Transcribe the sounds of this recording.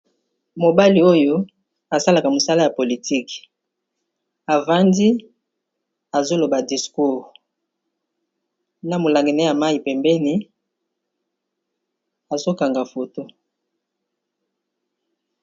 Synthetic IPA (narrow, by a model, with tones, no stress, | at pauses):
mo˨ba˦li˨o˦jo˦ | a˨sa˦la˨ka˨mo˨sa˦la˦ja˨po˨li˨ti˦k | a˨va˦ndi˦ | a˨zo˦lo˨ba˨di˨sku˦ʁ | na˨mo˨la˨ŋɡi˨na˦ja˨ma˦i˨pɛ˨mbɛ˦ni˦ | a˨zo˦ka˨ŋɡa˨fo˨to˦